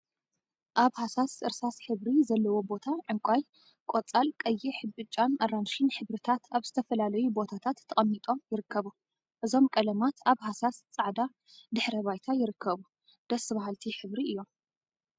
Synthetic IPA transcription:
ʔaβhasasʔɨɾsasħɨβɾizɐlːɐwo̞bo̞t̪ʰaʕɨŋkʷʼaj | kʷʼot͡sʼalkʼɐjːiħɨbɨt͡ʃʼːanʔaranʃinħɨβɾɨt̪ʰat̪ʰaβzɨt̪ʰɐfɐlalɐjubo̞t̪ʰat̪ʰat̪ʰːɐkʼɐmːit̪ʼo̞mjɪɾɨkʰːɐβu | ʔɨzo̞mkʼɐlɐmat̪ʰaβhasast͡sʼaʕd̪a | d̪ɨħɾɐβajt̪ʰajɪɾɨkʰːɐβu | d̪̥ɐsɨβahɦalt̪ʰiħɨβɾiʔɨjːo̞m

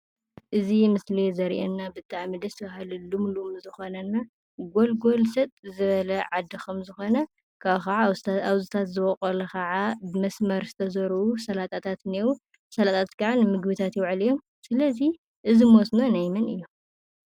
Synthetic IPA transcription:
ʔɨzimɨslizɐɾʔḛnːabɨt̪ʼːaʕmid̪ɐst̪ʰɐβahɨlulumlumzɨxo̞nɐnːa | ɡo̞lɡo̞lsɐt̪ʼzɨβɐlɐʕad̪ːikʰɐmzɨxo̞nɐ | kʰaβkɐʕaaβzɨt̪ʰat̪zɨβɔkʼɐlɐkʰɐʕabɨmɐsmɐɾsɨ̥t̪ʰɐzɐɾuusɐlat̪ʼat̪ʰat̪newu | sɐlat̪ʼʰat̪kʰaʕanɨmɨɡbɨt̪ʰat̪jɛwʕɨlijom | sɨlɐzi | ʔɨzimosnonajmɐnɨjːo

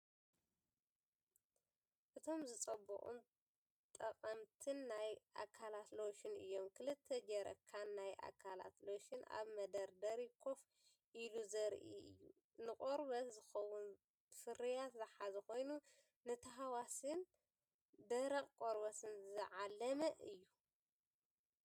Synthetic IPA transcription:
ʔɨt̪ʰo̞mzɨt͡sʼɐbɐ̰χʼṵn | t̪ʼɐqʼɐmt̪ʰɨnːajʔa̰kʰːalat̪loʃɪnɨ̰jːo̞mkʰɨlɨt̪ʰːɐd͡ʒɐɾɐ̰kʰːanːajʔa̰kʰːala̰t̪loʃɨnʔa̰βmɐd̪ɐɾd̪ɐɾikʰo̞f | ʔiluzɐɾʔḭʔɨ̰jːu | nɨkʼoɾbɐzɨxɐwʊn | fɨɾijat̪zɨħazɐko̞jnu | nɨt̪ʰɐɦawasɨn | d̪ɐɾɐkʼkʼoɾβɐsɨnzɨʕalːɐmɐʔɨjːu

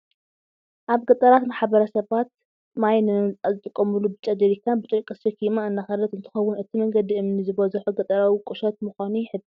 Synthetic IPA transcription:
ʔaβɡɐt̪ʼɐɾat̪maħβɐɾɐsɐβat̪̚ | majnɨmɨt͡sʼazɨt̪ʼɨkʼːɐmɨlubɨt͡ʃʼɐd̪ɐɾikʰːabɨt͡ʃ̪ʼojkʼɨsikʰimaɨnːaxɐlɐt̪ɨnt̪ʰɨ̥xɐwːʊnɨt̪ʰimɐŋɡɐd̪iʔɨmnizɨβɐzɨħuɡɐt̪ʼɐɾawikʼɨʃot̪muxʷaniħɨbi

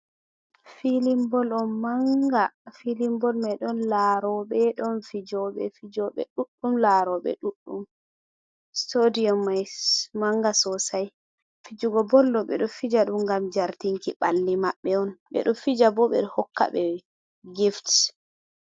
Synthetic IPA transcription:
filimbɔlɔnmaŋɡafilimbɔlmajɗɔnlaɾɔɓɛɗɔnfid͡ʒɔɓɛ̰fid͡ʒɔɓɛ̰ɗuɗːumlaɾɔɓɛ̰ɗuɗːum | stodiɔmːajmaŋɡasɔsaj | fid͡ʒuɡɔbɔlːɔɓɛ̰ɗɔfid͡ʒaɗumɡamd͡ʒaɾtiŋkiɓalːimaɓːɛɔnɓɛ̰ɗumfid͡ʒabɔɓɛ̰ɗhɔkːa̰ɓɛ | ɡifti

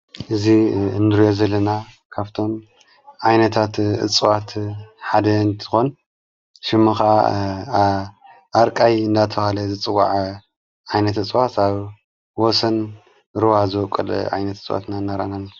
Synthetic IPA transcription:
ʔɨziɨnd̪ɾjozɐlːɐna | kʰaβt̪ʰo̞m | ʕajnɐt̪ʰat̪ɨ̰t͡sʼɨwat̪ħad̪ɐɨnt̪ʰɨ̥xo̞n | ʃɨmːuxaʔa | ʔaɾkʼajɨnd̪at̪ʰɐβalɐzɨt͡sʼɨwa̰ʕ | ʕajnɐt̪ɨt͡sʼwat̪aβ | wɔsɐn | ɾɨwazɨwɔkʼɐ̰l̰ʕa̰jnɐt̪ɨt͡sʼwa̰t̪nanːaɾʔa̰nanː

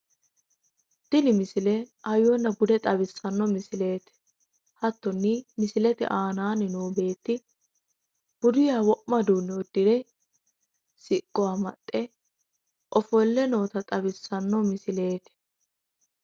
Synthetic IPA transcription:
d̪̥ɪlɪmɪsɪlɛɐjɔnːɐɡʊd̪ɛt̪ʼɐbɪsːɐnːɔmɪsɪle̞ːt̪ɛ̥ | hɐt̪ːɔnːimɪsɪlɛt̪ɛ̰ʔaːnaːnɪnoːbe̞ːt̪ːɪ | b̥ʊd̪ʊjaːwɔʔmɐd̪uːnːɛɔd̪ːɪd̪ɛ | sɪkʼːɔwaːmɐ̰t̪ʼːɛ | ʔɔfɔlːɛno̞ːt̪ɐt̪ʼɐbɪsːɐnːɔmɪsɪle̞ːt̪ɛ̥

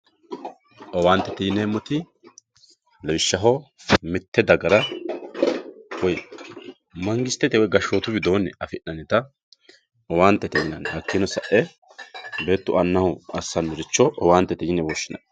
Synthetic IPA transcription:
ʔɔwaːnt̪ːɛt̪ɛjɪneːmːɔt̪ɪ | lɛwɪʃːɐɦɔmɪt̪ʰːɛd̪ɐɡɐɾɐ | wɔj | mɐŋɡɪst̪ːɛt̪ɛwɔjɡɐʃːoːt̪ʊbɪd̪oːnːɛɐfɪʔːɐnɪt̪ɐ | ɔwaːnt̪ːɛt̪ɛjɪnɐnhɐkːɪnɔsɐʔɛ | be̞ːt̪ːʊʔɐnːɐhʊɐsːɐnːʊɾɪt͡ʃːɔʔɔwaːnt̪ːɛt̪ɪjɪnɛwɔʃːɪnɐ̰

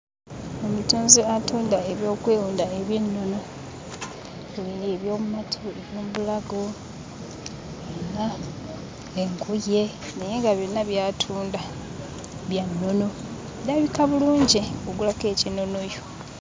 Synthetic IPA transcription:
omutuːnziatuːndaeβjo̞ːkwe̞ːwuːndaeβjenːo̞no̞ | uliɾeβjoːmumatʰue̞βjoːmubulaɡo | ena | eŋkuje̞ | neje̞ŋɡaβjo̞nːaβjaːtʰuːnda | βjanːo̞no̞ | eɾaβikaβuluːɲɟioɡulake̞ːcino̞no̞jo

